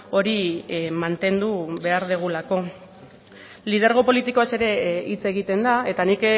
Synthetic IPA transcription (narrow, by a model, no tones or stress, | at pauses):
o̞ɾimant̪e̞nd̪uβe̞aɾðeɣ̞ulako̞ | lið̞eɾɣ̞o̞po̞lit̪ikoase̞ɾe̞it͡se̞ɣ̞it̪e̞nd̪ae̞t̪anik